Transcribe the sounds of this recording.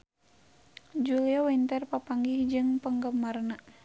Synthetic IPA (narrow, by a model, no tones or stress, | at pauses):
d͡ʒuliawint̪ərpapaŋɡihd͡ʒɨŋpəŋɡəmarna